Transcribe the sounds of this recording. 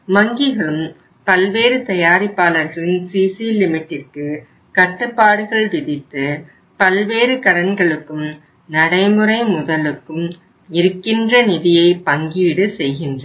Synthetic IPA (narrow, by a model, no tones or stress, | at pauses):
mɐŋɡɪɣɐɭɯm | pɐlʋeːɾɯt̪ɐjaːɾɪpːaːlɐɾɣɐɭɪnsiːsilɪmɪʈːɪrkɯ | kɐʈːɯpːaːɽɯɣɐɭʋɪðɪt̪ːɯ | pɐlʋeːɾɯkɐɾɐnɡɐɭɯkːɯm | nɐɽɐɪmɯɾɐɪmʊðɐlɯkːɯm | ɪɾɯkːɪndrɐnɪðɪjɐɪpɐŋɡiʋɪɽɯsɛjɣɪndrɐ